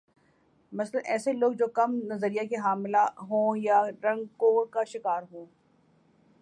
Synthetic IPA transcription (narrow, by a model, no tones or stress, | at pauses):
mɐslənɛːseloːɡ̚d͡ʒoːkɐmnɐzəɾijakeɦaːmɪlaɦõːjaɾɐ̃ŋɡkokaʃɪkaːɾɦõː